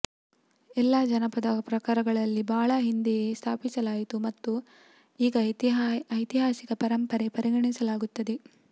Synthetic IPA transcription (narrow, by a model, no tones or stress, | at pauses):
ɛlːaːd͡ʒɐnɐpɐd̪ɐpɾɐkaːɾɐɡɐɭɐlːibaːɭɐɦind̪ijest̪ʰaːpisɐlaːjit̪umɐt̪ːu | iːɡɐt̪iɐjt̪iɦaːsikɐpɐɾɐmpɐɾepɐɾiɡɐɳisɐlaːɡut̪ːɐd̪e̞